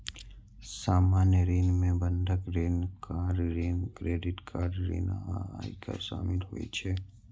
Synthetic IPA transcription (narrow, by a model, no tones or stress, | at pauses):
saːmaːnjəɾeːnmẽbənd̪ʱəkɾeːnkaːɾɾeːnkɾeːɖɪʈkʰaːɾɾḛːnːikə̰ʃa̰ːmɪlɦo̰ḭt͡ʃʰeː